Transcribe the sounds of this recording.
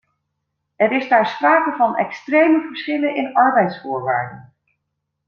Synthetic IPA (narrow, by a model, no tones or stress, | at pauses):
ɛɾɪzdaːɹspraːkəvɑnɛ̰kstrejməvəɹsχɪləɪnɑɹbɛjtsfʊːɹʋa̰ːɹdən